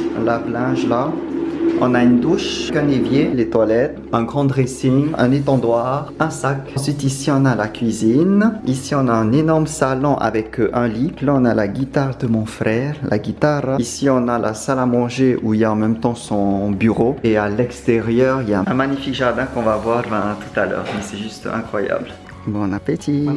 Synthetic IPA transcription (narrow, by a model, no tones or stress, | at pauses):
laplɛ̃ʒla | ɔ̰̃naynd̪uʃkɛ̃nevjelet̪walɛt̪ɛ̃ɡʁɑ̃d̪ʁesiɲɛ̰̃net̪ɑ̃d̪waʁɛ̃saksɥit̪isiɔ̃nalakʲɥizinisiɔ̃naɛ̃nenɔʁmsalɔ̃ʔa̰vɛkʔɛ̃liplɔ̃nalaɡʲit̪aʁd̪əmɔ̃fχɛːʁlʔa̰ɡʲit̪aʁisiɔ̃nalʔa̰salamɑ̃ʒeʔuiljaɑ̃mɛmt̪ɑ̃sɔ̃byʁoealɛkst̪eʁjœːʁiljaɛ̃maɲifikʒaʁd̪ɛ̃kɔ̃vavwaʁvɛ̃t̪u̥t̪alœ̰ːʁmɛsɛʒyst̪ɛ̃kχwaja̰bl | bɔ̃napet̪ʰi